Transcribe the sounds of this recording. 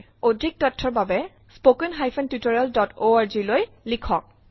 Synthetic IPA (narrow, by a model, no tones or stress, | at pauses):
odʱik̚tɔtʰːɔɹbabɛ | spokɛnɦajpʰɛntutɔɹialdɔtoaɹziloj | likʰɔk̚